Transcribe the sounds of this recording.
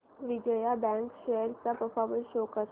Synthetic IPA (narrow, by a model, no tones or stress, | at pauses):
ʋɪd͡ʒəjabɛ̃ːŋkʃejəɾkapəfʰɔːɾməɾʃoːkəɾ